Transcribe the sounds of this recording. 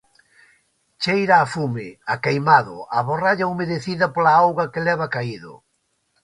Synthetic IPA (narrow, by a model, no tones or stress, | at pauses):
t͡ʃejɾaːfumɪakejmaðʊ̰aβoraʎaomeðeθiðɐpolaawɣakelɛβakaiðʊ̰